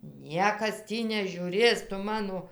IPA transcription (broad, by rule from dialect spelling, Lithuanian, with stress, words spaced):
ˈnʲiɛkɐs ˈtʲiː nʲɛʒʲuːˈrʲeːs ˈtʊ ˈmɑːnoː